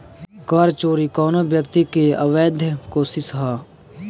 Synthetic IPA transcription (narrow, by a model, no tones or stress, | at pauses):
kaːɾt͡ʃoːɾikɔːnobjəkt̪ikeɐʋeːd̪ʱjəkoːsɪsɦaː